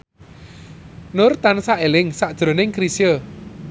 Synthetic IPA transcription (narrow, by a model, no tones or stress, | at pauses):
nʊrt̪ansaʔelɪŋsaʔd̥ʒ̥ɾo̤nɪŋkɾisjə